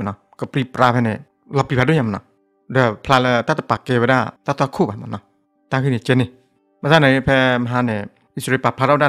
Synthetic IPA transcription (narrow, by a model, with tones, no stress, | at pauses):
nɔ˧ | kɔ˧˩pɾi˧pɾaː˧pʰɛ˧nɛ˧˩ | lɔ˧˨pi˧pʰa˧do˥˨ɲa˧m˨nɔ̰˧ | də˧˩pʰla˧lə˧t̪a˦t̪a˧˨pa˨˩kːe˧wə˧da˧˨t̪a˧˩t̪ʰa˧kʰuː˥˧ba˨ma̰˨nːɔ˧˩ | t̪a˧ŋkʰɯ˧˨ni˨t͡ɕe˧ni˧ | ma˧saː˧na˨˦jpʰɛ˧ma˧ɦaː˨˧nɛ˨˩ | i˧sɾe˧pa˨pʰa˧ɾa˧˨˧da˧˨